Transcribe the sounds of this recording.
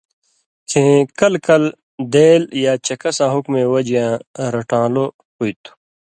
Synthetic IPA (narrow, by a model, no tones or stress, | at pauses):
kʰẽkɐlkɐl | d̪eːljaːt͡ɕɐkɐsãːɦukmẽwɐd͡ʑjãːɾɐʈãːlo | puit̪u̥